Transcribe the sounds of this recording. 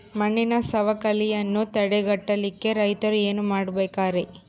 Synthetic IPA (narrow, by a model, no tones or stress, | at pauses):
mɐɳːinɐsɐʋɐkɐlijɐnːut̪ɐɽɛɡɐʈːɐlikːe̞ɾɐjt̪ɐɾue̞ːnumaːɽubeːkaːɾe